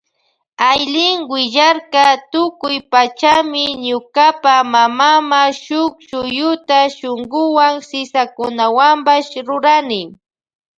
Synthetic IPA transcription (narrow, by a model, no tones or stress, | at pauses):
ajlɪŋwɪʒaɾkat̪ʊkʊjpat͡ʃamɪɲʊkapamamamaʃʊkʃʊjʊt̪aʃʊŋɡʊwaŋsɪsakʊnawambaʃɾʊɾanɪ